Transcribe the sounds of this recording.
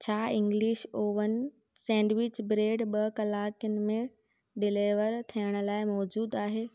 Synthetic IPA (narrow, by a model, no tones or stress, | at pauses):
t͡ɕʰaːɪ̃ŋɡliʃoːʋənɪ̆ | sɛ̃ːɳɖʋɪt͡ɕbɾeːɖɓɐkɐlaːkjənɪ̆mẽ | ɖɪleːʋəɾt̪ʰijəɽ̃ə̆laːɪmɔːd͡ʑuːd̪aːɦeː